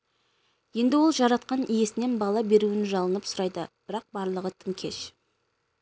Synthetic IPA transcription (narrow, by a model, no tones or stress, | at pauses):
je̞nd̪ɪwo̞lˠʒɑɾɑt̪̚qɑnʔije̞sɪne̞nbɑlˠɑbe̞ɾuɪnʒɑlˠənəpsʊɾɑjd̪əb̥ɪɾɑq̚bɑɾlˠəʁət̪ʰɪŋkʲʰe̞ʃ